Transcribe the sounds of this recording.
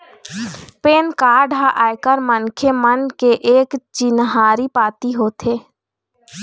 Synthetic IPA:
peːnkaːɾɖʱaʔaːjkəɾmənkʰemənkeʔeːkt͡ʃɪnɦaːɾipaːt̪iɦoːt̪ʰeː

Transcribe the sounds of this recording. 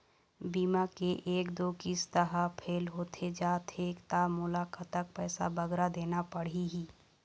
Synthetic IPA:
biːmakeʔeːkd̪oːkist̪əɦapʰeːlɦot̪ʰed͡ʒaːt̪ʰeːkt̪amʊlakət̪ək̚pɛːsa̰bəɡɾad̪eːnapəɽ̤iɦiː

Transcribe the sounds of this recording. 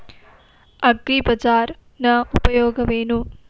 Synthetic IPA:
ɐɡɾipɐd͡ʒaːɾ | nɐupɐjoːɡɐʋeːnu

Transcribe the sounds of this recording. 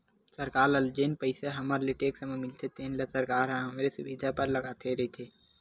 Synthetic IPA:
səɾkaːɾəld͡ʒeːnpəɪseɦɐməɾleʈeːksɐmemɪlt̪ʰet̪eːnlesɐɾkaːɾɦãɦɐmɾesʊwid̪ʱapɐɾlɐɡaːt̪ʰeɾɐɦit̪ʰeː

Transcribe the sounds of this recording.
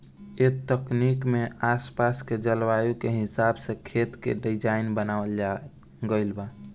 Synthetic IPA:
et̪əknikmeaspasked͡ʒəlwajukeɦisabsẽkʰet̪kḛɖid͡ʒainbənaəld͡ʒa | ɡəɪlba

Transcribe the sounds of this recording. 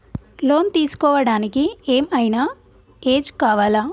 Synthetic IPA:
lo̞ːnt̪iːsu̥kɔːʋɐɽaːnikie̞ːmɐjnɐ | eːd͡ʒkaːʋaːlaː

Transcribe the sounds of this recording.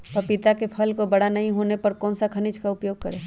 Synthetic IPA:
pɐpɪt̪akepʰɐlkobɐɽanɐɦĩɦoːnepɐɾkɔːnsakʰɐnɪd͡ʒkaʊpjoːɡ̚kɐɾeː

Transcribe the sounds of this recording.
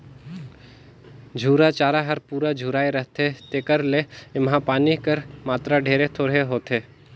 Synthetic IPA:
d͡ʒʱuːɾat͡ʃaːɾaɦɐɾpuːɾad͡ʒʱuːɾaːeɾəɦt̪et̪eːkəɾleɪmɦãpaːnikəɾmaːt̪ɾaɖʱeːɾet̪ʰoːɽeɦoːt̪eː

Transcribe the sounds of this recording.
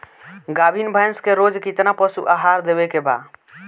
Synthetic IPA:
ɡabʱinbʱajnskeɾod͡ʒkit̪napəsṵʔaɦaɾd̪ebɛkeba̰

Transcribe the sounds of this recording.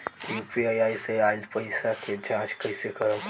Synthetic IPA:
d̪ipɾiaːjaːjseãːnd̪pəɪsaked͡ʒãːt͡ʃkɐɪsekəɾə̃m

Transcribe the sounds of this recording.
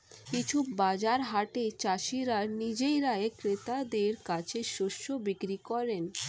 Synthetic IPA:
kit͡ɕʰubad͡ʑaɾɦaʈet͡ɕaʃiɾaɾnid͡ʑejɾaekɾet̪ad̪eɾkat͡ɕʰeʃoʃːobikɾikɔɾen

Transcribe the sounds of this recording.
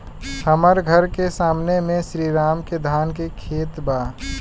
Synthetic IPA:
həməɾɡʱəɾkesaːmnemẽsɾiːɾaːmked̪ʱaːnkekʰeːt̪baː

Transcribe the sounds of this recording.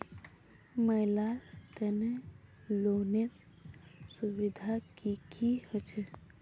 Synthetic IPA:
məɪlalt̪ɛne | loneɾ | subid̪ʱakikʰihət͡ʃʰe

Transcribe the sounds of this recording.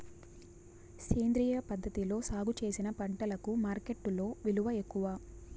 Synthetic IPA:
seːnd̪ɾijɐpɐd̪ʱːɐt̪ilo̞ːsaːɡut͡ʃe̞ːsinɐpɐɳʈɐlɐkumaːɾke̞ʈːulo̞ːʋiluʋɐekːuʋɐ

